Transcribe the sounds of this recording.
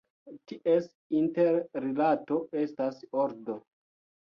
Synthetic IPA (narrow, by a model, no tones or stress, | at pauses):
tiʔes | inteɾːilatoe̞stasoɾdo̞